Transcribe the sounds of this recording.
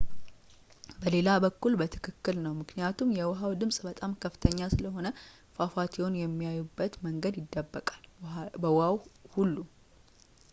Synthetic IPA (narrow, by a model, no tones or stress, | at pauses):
bəle̞labəkːulbət̪ʰɨ̥kʰɨkːɨlnəwmɨknijat̪ʰumjɛwʊɦawd̪ɨmsʼbət̪ʼamkʰəfːɨt̪ʰəɲːasɨləɦo̞nə | fafat̪ʰionjɛmːijajubːət̪məŋɡəd̪jɪd̪ːəbːəkʼalbəwawhulːu